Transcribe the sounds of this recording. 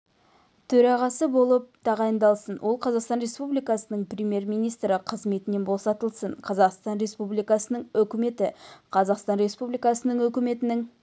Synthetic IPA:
t̪ʰɵɾɑʁɑsəbo̞lˠəp̚t̪ʰɑʁɑjənd̪ɑlˠsənwo̞lˠqʰɑzɑqst̪ɑnɾespublijkɑsənəɴprʲemʲje̞rmijnijst̪ɾɪqʰəzme̞t̪ɪne̞nbo̞sɑt̪əlˠsəɴqʰɑzɑqst̪ɑnɾe̞spublijkɑsənəɴɵkʲɪme̞t̪ɪqʰɑzɑqst̪ɑnɾe̞spublijkɑsənəɴɵkʲɪme̞t̪ɪnɪŋ

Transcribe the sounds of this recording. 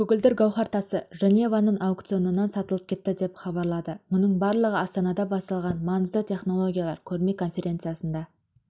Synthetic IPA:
kʰʲɵɡʲɪld̪ɪɾɡɑwχɑɾt̪ɑsəʒenʲe̞vɑnəɴɑwk̚t̪sijo̞nənɑnsɑt̪əlˠəp̚kʲʰe̞t̪ːɪd̪e̞pχɑbɑɾlˠɑd̪əmʊnəɴbɑɾlˠəʁəɑst̪ɑnɑd̪ɑbɑst̪ɑlˠʁɑnmɑnəzd̪ət̪ʲʰe̞χno̞lˠo̞ɡʲijalˠɑɾkʲʰɵɾme̞kʰo̞nfʲe̞ɾʲʔe̞nt̪sɨjasənd̪ɑ

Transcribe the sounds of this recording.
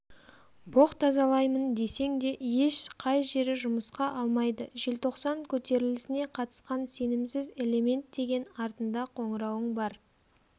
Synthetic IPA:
bo̞qt̪ʰɑzɑlˠɑjmənd̪e̞se̞ŋd̪e̞je̞ʃqʰɑjʒe̞ɾɪʒʊməsqɑʔɑlˠmɑjd̪əʒe̞lt̪ʰo̞qsɑŋkʲʰɵt̪e̞ɾɪlɪsɪne̞qʰɑt̪ə̥sqɑnse̞nɪmsɪze̞le̞me̞nt̪̚d̪e̞ɡʲe̞nɑɾt̪ənd̪ɑqʰo̞ɴəɾɑwəɴbɑɾ

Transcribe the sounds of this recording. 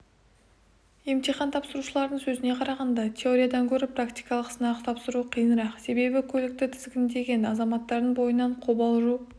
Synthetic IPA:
je̞mt̪ijχɑnt̪ʰɑpsəɾuʃəlˠɑɾd̪əɴsɵzɪne̞qʰɑɾɑʁɑnd̪ɑt̪ʲʰe̞o̞ɾʲijad̪ɑŋkʲʰɵɾɪprakt̪ijkɑlˠəqsənɑqt̪ʰɑpsəɾuqʰijənəɾɑqse̞be̞bɪkʲʰɵlɪk̚t̪ɪt̪ʰɪzɡʲɪnd̪e̞ɡʲe̞nɑzɑmɑt̪ːɑɾd̪əɴbo̞jənːɑɴqʰo̞bɑlˠʒu

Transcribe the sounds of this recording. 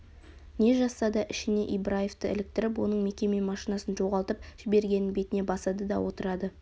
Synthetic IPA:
ne̞ʒɑsːɑd̪ɑʔɪʃɪne̞ʔijbɾaje̞ft̪əɪ̰lɪk̚t̪ɪɾɪp̬wo̞nəɴme̞kʲe̞me̞mɑʃinɑsənʒo̞ʁɑlˠt̪əpʒ̥ɪbe̞ɾɡʲe̞nɪŋbe̞t̪ɪne̞bɑsɑd̪əd̪ɑ̰wo̞t̪əɾɑd̪ə

